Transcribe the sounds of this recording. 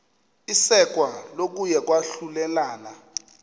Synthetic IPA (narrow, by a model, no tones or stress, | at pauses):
isɛk̬ʼwalok̬ujɛk̬waɬulɛlaːna